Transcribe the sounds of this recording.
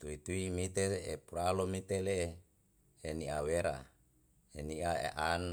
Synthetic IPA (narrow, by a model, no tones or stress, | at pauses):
t̪uit̪uimit̪eḛpuɾalomit̪eleeː | niaweɾa̰ | eniaḛʔan